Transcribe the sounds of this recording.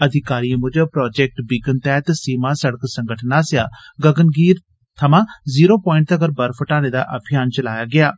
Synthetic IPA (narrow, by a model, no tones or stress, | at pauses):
əd̪ʱɪkaːɾiːãːmʊd͡ʒəpɾɔːd͡ʒɛːk̚ʈbikənt̪ɛːt̪siːmaːsəɽəksə̃ŋɡəʈʰnaːsjaːɡəɡənɡiːɾ | t̪ʰəmãːziːɾoːpɔːɪ̃ɳʈ̚t̪əɡəɾbəɾpʰəʈaːneːd̪a̰ːʔəbʰʱɪjaːnt͡ʃəlaːjaːɡɪaː